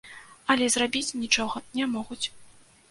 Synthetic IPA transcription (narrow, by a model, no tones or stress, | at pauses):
ɐlʲɛzrabʲit͡sʲnʲit͡ʂɔɣɐnʲɛmɔɣut͡sʲ